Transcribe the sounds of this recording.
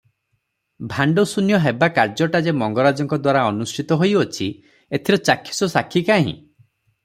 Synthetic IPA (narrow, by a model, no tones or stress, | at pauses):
bʱaɳɖosunjɔɦebakaɾd͡ʒɔʈad͡ʒemɔŋɡɔɾad͡ʒɔŋkɔd̪waɾaɔnusʈʰit̪ɔɦojot͡ʃʰi | et̪ʰiɾɔt͡ʃakʰːi̥sɔsakʰːikaɦḭ̃